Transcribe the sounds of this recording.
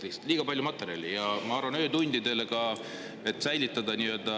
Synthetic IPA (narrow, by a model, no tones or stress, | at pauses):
ikst̪liːɡɑpɑlʲjumɑt̪ːˑe̞ɾʲjɑ̰lijɑmɑɑrvɑnø̞ːt̪unʲd̪̥id̪e̞lekɑ | e̞t̪ːˑsæjlit̪ːˑɑd̪ɑniø̞ld̪̥ɑ